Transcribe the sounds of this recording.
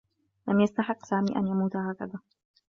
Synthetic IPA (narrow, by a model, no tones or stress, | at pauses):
lamjast̪aħɪqːsaːmiːʔa̰njamuːt̪haːkaðaː